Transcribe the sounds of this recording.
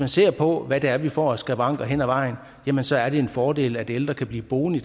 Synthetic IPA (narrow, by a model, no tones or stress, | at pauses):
mænse̝̰ːɐ̰pʰɒ̽ʋæd̥eæɐʋifɒ̰ːæsɡ̥æbʁɑ̈ŋ̰ɡ̥ɐɦen̰æʋɑ̈ɪ̰n̩ | jæmənsɒ̽æɐɾ̥e̝e̝nfɒːd̥e̝̰ːləæd̥eld̥ʁɐkʰæb̥liːb̥o̝ːn̩id̥